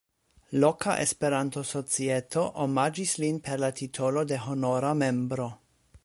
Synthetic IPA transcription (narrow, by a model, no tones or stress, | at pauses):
lokʰa̰ʔḛspe̞ɾanto̞sot͡sietʰoʔomad͡ʒislinpe̞ɾlatʰitʰolo̞de̞ɦo̞noɾame̞mbɾo̞